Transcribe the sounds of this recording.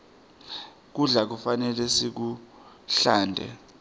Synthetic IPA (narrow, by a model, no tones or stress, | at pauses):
k̬uɮak̬ufanɛlɛsik̬u | ɬaːndʱɛ̰